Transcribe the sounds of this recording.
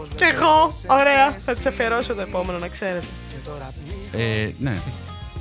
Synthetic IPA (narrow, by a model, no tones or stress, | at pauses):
ceɣooɾe̞ɐθɐt̪i̥sefeɾosot̪oe̞po̞me̞nonɐkse̞ɾet̪e | enḛ